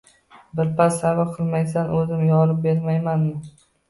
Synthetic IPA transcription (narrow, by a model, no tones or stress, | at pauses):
bɪɾpʰasːavaqʰɨlˠmajs̬anʔɵzɪmjɒlɪp̚beɾmajmanmɪ